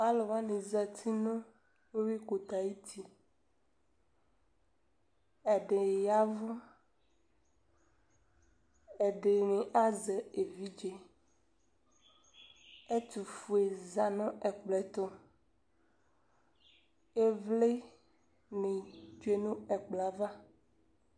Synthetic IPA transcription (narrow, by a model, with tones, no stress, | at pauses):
a˦lɔ˨wa˦nẽ˨za˨t̪ʰi˦nɔ̃˦ | we˦wi˦ko˨t̪a˨ji˦t̪ʰi˨ | ɛ˨ɖe˨ja˦vɔ˦ | ɛ˨ɖe˨nẽ˨ʔa˦ze˨e˨vi˦d͡ʒe˨ | e˦t̪u˨fu˨e˨za˨nɔ̃˦ʔɛ˨k͡plɛ˨t̪ɔ˦ | e˦vle˦ | nẽ˨d͡ʒe˦nũ˦ɛ˨k͡pla˨va˦